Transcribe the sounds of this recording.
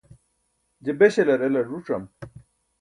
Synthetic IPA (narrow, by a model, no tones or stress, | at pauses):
d͡ʑebeɕelɐɾelɐʐuʈ͡ʂɐm